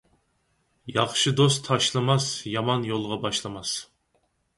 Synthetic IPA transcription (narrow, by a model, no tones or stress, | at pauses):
jɑχʃɨd̪os̬t̪ʰɑʃlˠɨmɑsjɑmɑnjolˠʁɑbɑʃlˠɨmɑs